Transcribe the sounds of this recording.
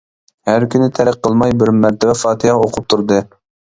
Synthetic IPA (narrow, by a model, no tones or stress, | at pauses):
hæɾkʲʰynɪt̪ʰɛɾæqqʰːəlˠmɑjbɪɾmæɾt̪ʰɛbɛfɑːt̪ʰɨjɑoqʰʊp̚t̪ʰuɾd̪ɨ